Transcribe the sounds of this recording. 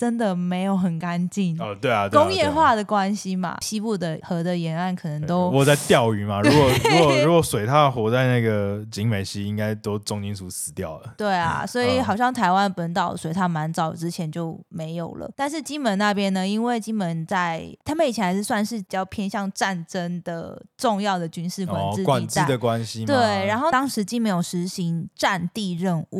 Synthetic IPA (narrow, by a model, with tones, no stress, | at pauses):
ʈ͡ʂə˦˥nd̪ə˨me˧˥ɪjo˨˧˩ʊxə˨˩nka˦nt͡ɕi˥˩n˧t̪we˥˩a˨t̪wkʊ˥ŋjjɛ˥˧xwa˥˩d̪ə˨˩kwa˥nɕi˧ma̰˨ɕi˥pu˥˩d̪ə˨xɤ˧˥d̪ə˨jɛ˧˥na˥˩nkʰɤ˨˩nə˧˦ŋt̪o˥ʊwɔ˨˩t͡sa˥˧ɪt̪jɑ˥˩ʊy˨˩ma˨ɻkwɔ˨˩ɻu˦˥kɔ˨˩ɻu˧˥kwɔ˨˩swe˨˩ɪt̪ʰa˥xwɔ˧˥t͡sa˥˧ɪna˥˩ɡə˩t͡ɕi˧˥ŋme˨˩ɪɕi˥i˥ŋka˥ɪt̪o˥ʊt͡sʊ˥˩ŋt͡ɕi˥nsu˧˥sɹ̩˧˥˦t̪jɑ˥˩ʊlə˨˩t̪we˥˩ɪa̰˨˩swɔ˧˥i˨˩xɑ˨˩ʊɕjɑ˥˩ŋt̪ʰa˧˥ɪwa˥˦npə˧˦˥nt̪ɑ˨˩ʊswe˧˥ɪt̪ʰa˥˩ma˧˥nt͡sɑ˨˩ʊʈ͡ʂɻ̩˥t͡ɕʰjɛ˧˥nt͡ɕjo˥˩ʊme˧˥ɪjo˨˩ʊlə̰˩˦t̪a˥˧nʂ̬ɻ̩˥˩t͡ɕi˥nmə˧˥nna˥˧pjɛ˥nnə˧i˥nwe˥˩ɪt͡ɕi˥nmə˧˥nt͡sa˥˩ɪt̪ʰa˥me˥˩ɪt͡ɕʰɛ˧˥˩a˧ɪɻ̩˥˧swa˥˧nʂɻ̩˥˩pi˨˩t͡ɕjɑ˥˧ʊpʰjɛ˥nɕjɑ˥˧ŋʈ͡ʂa˥˨˩nʈ͡ʂə˥ŋd̪ə˨ʈ͡ʂʊ˥˧ŋjɑ˥˩ʊd̪ə˩t͡ɕy˥nʂɻ̩˥˩kwa˥˧kwa˨˩n˥t͡ɕ̪ai˥˩d̪ə˨kwa˦nɕi˧t̪we˧˥˩ɪɻa˧˥nxo˥˩ʊt̪ɑ˥ŋʂɻ̩˧˥t͡ɕi˥˩nme˧˥ɪjo˨˩ʊʂɻ̩˧˥ɕi˧˥ŋʈ͡ʂa˥˧nt̪i˥˧ɻə˥˧nṵ˥˩